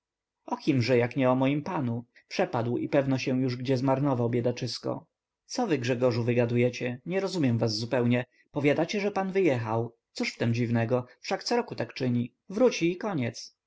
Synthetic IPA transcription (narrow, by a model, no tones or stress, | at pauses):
ɔkʲimʐɛjakɲɛɔmɔjimpanu | pʂɛpad̪wḭpɛvnɔɕɛw̃juʐɡd͡ʑɛzmaɾnɔvawbʲjɛd̪at͡ʂɘskɔ̰ | t̪sɔvɘɡʐɛɡɔʐuvɘɡad̪ujɛt͡ɕɛɲɛɾɔzumjɛmvazːupɛwɲɛ | pɔvʲjad̪at͡ɕɛʐɛpanvɘjɛxawt̪suʂft̪ɛmd͡ʑivnɛɡɔfʂakt̪sɔɾɔkut̪akt͡ʂɘɲi | vɾut͡ɕiːkɔɲɛt̪s